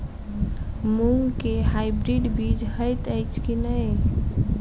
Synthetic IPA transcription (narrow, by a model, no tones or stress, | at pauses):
muŋɡkeɦaibɾiɖbid͡ʒɦəjt̪əɪt͡ʃʰkinəj